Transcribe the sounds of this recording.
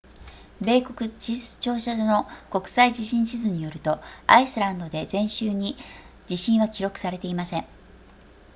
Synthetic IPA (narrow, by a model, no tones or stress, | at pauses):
be̞ːko̞kɯ̟t͡ɕisɨ̥t͡ɕo̞ːɕad̪no̞ko̞kɯ̟̥said͡ʑiɕĩɰ̃ɕizɨɲ̟ijo̞ɾɯ̟t̪o̞a̰isɨɾãnd̪o̞d̪e̞zẽ̞ɰ̃ɕɨːɲ̟i | d͡ʑiɕĩɰ̃βakʲiɾo̞kɯ̟̥saɾe̞t̪e̞imasẽ̞ɴ